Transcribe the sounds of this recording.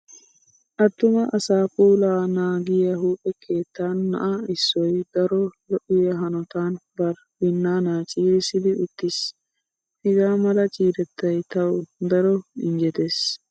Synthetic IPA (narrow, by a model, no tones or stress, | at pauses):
ʔɐt̪ːʊmɐʔɐsaːpuːlaːnaːɡɪjɐɦuːpʼɛkʰe̞ːt̪ːaːnːɐ̰ʔaɪsːɔjd̪ɐɾɔlɔʔɪjɐɦɐnɔt̪aːnbɐɾ | wɪnːaːnaːt͡ʃʼiːɾɪsɪd̪ɪʔʊt̪ːɪs | hɪɡaːmɐlɐt͡ʃʼiːɾɛt̪ːɐjt̪ɐwd̪ɐɾɔɪ̰nd͡ʒɛt̪eːs